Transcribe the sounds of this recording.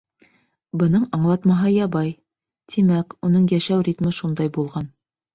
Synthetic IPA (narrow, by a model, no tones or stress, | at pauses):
bɤ̆nɤɴɑɴlˠɑt̪mɑɦɤjɑbɑj | t̪ʰimækunɤɴjæʃæwrʲit̪mɘʃund̪ɑjbulˠʁɑn